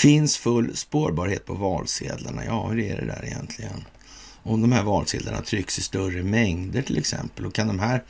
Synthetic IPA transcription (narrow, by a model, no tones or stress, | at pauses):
fɪnsfɵlːspoːɾbɑɾheːt̪̚pʰɔvɑːlsḛːd̪laɳajɑːhɵɾɛɾɛ̰d̪æɾɪ̰jɛnt̪ʰlɪɡən | ɔmd̪ɔmhæɾvɑːlseːd̪aɳa̰t̪ʰɾʏkːsɪst̪ɵrəmɛŋd̪əʈʰɪlɛksɛ̰mpəlɔkʰand̪ɔmɦæɾ